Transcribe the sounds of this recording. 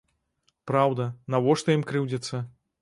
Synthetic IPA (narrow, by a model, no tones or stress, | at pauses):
pɾawd̪ɐnavɔʂt̪ɔjimkɾɨwd͡zʲɛt̪sːɐ